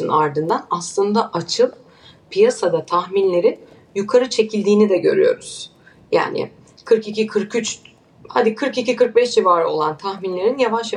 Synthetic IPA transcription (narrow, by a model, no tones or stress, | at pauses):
ɯnaɾd̪ɯnd̪anaslˠɯnd̪aʔat͡ʃʰɯlˠ | pʰijasad̪at̪ʰaxminlʲe̞ɾin | jukʰaɾɯt͡ʃʰe̞cʰilʲd̪iːnid̪ɛɟø̞̰ɾy̰jo̞ɾuz̥ | ja̰ːnɪ̰ | kʰɯɾkicikʰɯɾkyt͡ʃ | ha̰d̪ikʰɯɾkicikʰɯɾk̚bɛʃd͡ʒivaːɾo̞̰lˠant̪ʰaxminlʲe̞ɾinjavaʃja